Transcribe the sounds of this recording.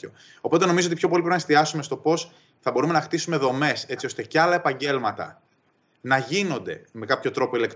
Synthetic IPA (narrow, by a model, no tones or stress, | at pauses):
o | o̞po̞t̪e̞no̞mizoot̪̬ipço̞po̞lipɾinɐest̪iɐsumest̪o̞po̞s | θɐbo̞ɾume̞nɐxt̪isume̞ðo̞me̞se̞t͡sio̞st̪e̞ceɐlɐe̞pɐɲɟe̞lmɐt̪ɐ̰ | nɐʝino̞nd̪e̞me̞kɐpço̞t̪ɾo̞po̞ile̞kt̪